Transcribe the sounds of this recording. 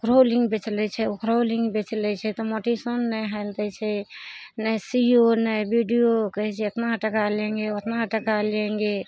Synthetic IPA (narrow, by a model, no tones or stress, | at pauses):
kɾolĩŋɡbet͡ʃlɛt͡ʃʰɛkɾoliŋɡbet͡ʃlɛt͡ʃʰɛt̪ɔmoʈisənːəɦalt̪ɛt͡ʃʰɛnəjsijonəjbiɖijokəɦɛt͡ʃʰɛot̪naʈəkalẽŋɡeot̪naʈəkalẽŋɡe